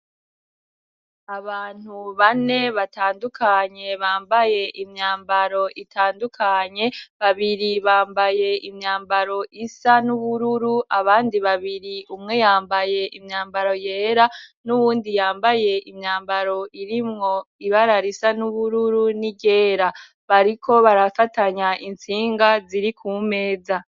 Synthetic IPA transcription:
aβaːn̥huβane̞βataːndukʰaɲe̞βaːmbaje̞ʔimɲaːmbaɾo̞ʔitʰaːndukʰaɲe̞βaβiɾiβaːmbaje̞ʔimɲaːmbaɾo̞ʔisanuβuɾuɾuʔaβaːndiβaβiɾiumŋe̞jaːmbaje̞ʔimɲaːmbaɾo̞je̞ːɾanuβuːndijaːmbaje̞ʔimɲaːmbaɾo̞ʔiɾimŋo̞iβaɾaɾisanuβuɾuɾuniɟe̞ːɾa | βaɾikʰo̞βaɾafataɲaʔint͡siːŋɡaziɾikʰume̞ːza

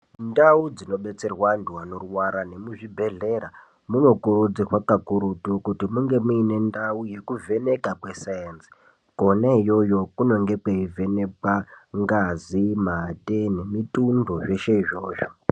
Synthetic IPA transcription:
ndaud͡zino̞ɓe̞t͡se̞rwanduanoruwaɾane̞muʐibʱe̞ɮe̞ɾa | muno̞kuɾud͡zirwakakuɾutukutimuŋɡe̞muine̞ndauje̞kuvʱe̞ne̞kakwe̞sajenzi̥ | konaijo̞jo̞kuno̞ŋɡe̞kweive̞ne̞pwaŋɡazimatʼene̞mitundoʐe̞ʃe̞iʐo̞ːʃo̥

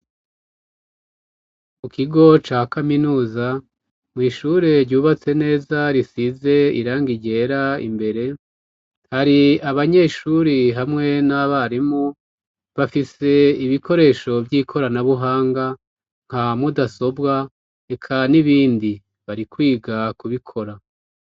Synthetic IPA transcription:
mukiɡo̞t͡ʃaːkaminuːza | mŋiːʃuɾe̞ɾɟuːβat͡se̞ne̞ːzaɾisize̞ḭɾaːŋɡiɟe̞ːɾaḭmbe̞ɾe̞ | haɾiaβaɲe̞ʃuɾiɦamŋe̞naβaɾimu | βafise̞iβiko̞ɾe̞ːʃo̞vjiːkʰo̞ɾanaβuɦaːŋɡa | ŋ̥hamudaso̞bɡa | e̞kʰaniβiːndi | βaɾikwiːɡakuβikʰo̞ɾa

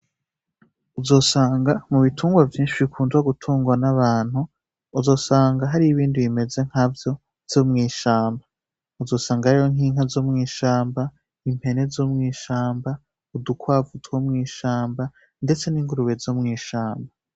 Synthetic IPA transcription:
uzo̞ːsaːŋɡamuβitʰuːŋɡwavjiːnʃiβikʰuːnzɡaɡutʰuːŋɡwanaβaːn̥huː | zo̞ːsaːŋɡaɦaɾiiβiːndiβime̞ze̞ŋ̥havjo̞ | v̥joːmŋiːʃaːmba | uzo̞ːsaːŋɡaɾijoŋ̥iːŋ̥hazomŋiːʃaːmba | im̥he̞ne̞zomŋiːʃaːmba | udukwaːvutʰuwomŋiːʃaːmba | nde̞t͡se̞niŋɡuɾuβe̞zoːmŋiːʃaːmba

